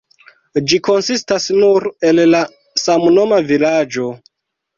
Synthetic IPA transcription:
d͡ʒiko̞nsistasnuɾe̞lla | samno̞mavilad͡ʒo̞

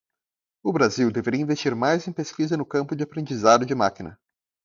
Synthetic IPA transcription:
ʊbɾaziwd̪eveɾiɐĩvest͡ʃiɾmajzẽj̃peskizɐnʊkɐ̃mpʊd͡ʒɪapɾẽnd͡ʒizad̪ʊd͡ʒɪmakinɐ̰

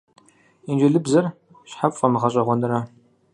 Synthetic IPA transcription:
ind͡ʒɪɮɨbzɐr | ɕħapʼfʼɐmɨʁɐɕʼɐʁʷɔnɨɾɐ

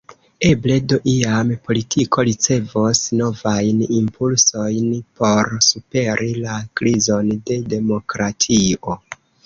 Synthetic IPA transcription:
e̞ble̞doʔiampo̞litʰiko̞ɾit͡se̞vosno̞vajnimpʰulso̞jnpo̞ɾsupe̞ɾʔilakɾizo̞nde̞de̞mo̞kɾatʰio̞

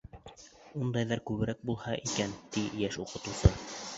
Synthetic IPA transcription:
und̪ɑjðɑɾkʉβɘ̆ɾæk̚bulˠhɑʔikænt̪ijæʃuqɤ̆t̪ŭsɤ

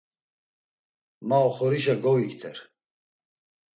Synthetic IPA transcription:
maɔχɔɾiʃaɡɔwikt̪ʰɛ̰ɾ

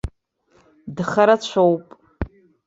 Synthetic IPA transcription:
dχaɾat͡ɕʷʰowpʼ

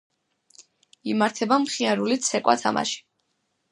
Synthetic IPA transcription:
imaɾt̪ʰɛbamχiaɾulit̪sʰɛkʼwa̰t̪ʰa̰ma̰ʃi̥

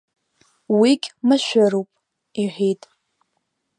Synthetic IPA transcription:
wiɡʲmɨʃʷᶣaɾupʼ | iħʷᶣitʼ

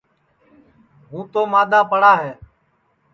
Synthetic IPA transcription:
ɦũːt̪oːmaːd̪aːpəɽaːɦeː

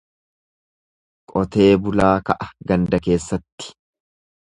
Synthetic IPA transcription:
kʼɔt̪e̞ːbʊlaːkɐʔɐɡɐnd̪ɐke̞ːsːɐt̪ːɪ̥

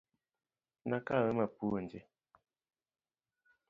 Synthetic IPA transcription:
nakawəmapund͡ʒe

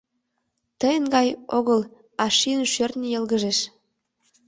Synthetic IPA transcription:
t̪əjənɡɑjoɣəl | ɑʃiənʃørt̪nʲijəlɣəʒeʃ

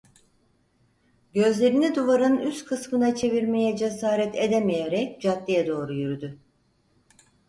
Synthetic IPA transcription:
ɟø̞zlʲe̞ɾinid̪uvaɾɯnyst̪kʰɯsmɯnat͡ʃʰe̞viɾme̞jɛd͡ʒesaːɾɛt̪ʰed̪emejeɾɛc̚d͡ʒat̪ːijɛd̪o̞ːɾujyɾyd̪y

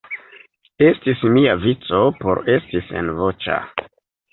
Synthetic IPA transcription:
e̞stismiavit͡so̞poɾe̞stisḛnvo̞t͡ʃa̰

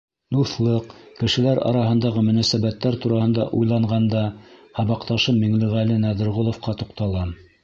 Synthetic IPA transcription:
d̪uθlˠɤqkɘ̆ʃɘ̆læɾɑ̰ɾɑɦɤ̆nd̪ɑʁɤmɵ̆næsæβæt̪ːæɾt̪uɾɑhɤ̆nd̪ɑ̰ʔujlˠɑɴʁɑnd̪ɑhɑβɑqt̪ɑʃɤmmːiŋlɘʁælɘnæðɘ̆ɾʁŏlˠŏfqɑt̪uqt̪ɑlˠɑn

